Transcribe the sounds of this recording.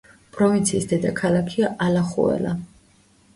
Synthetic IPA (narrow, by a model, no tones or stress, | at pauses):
pʼɾɔvint̪sʰiːsd̪ɛd̪akʰalˠakʰiaʔalaχṵɛ̰la